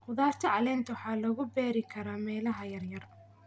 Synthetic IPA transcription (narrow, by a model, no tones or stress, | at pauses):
qʊðaːrt̪ʰɐʕɑlɛːnt̪ʰɐwħɑːlɔɣʊbɛːɾɪkʰɐɾaːmɛːlɐɦɐjɐrjɐr